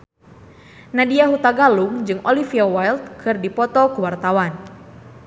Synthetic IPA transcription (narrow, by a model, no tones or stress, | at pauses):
nadiaɦut̪aɡaluŋd͡ʒɨŋʔɔlifiawajlt̪̚kʰɨrdipɔt̪ɔkəwart̪awan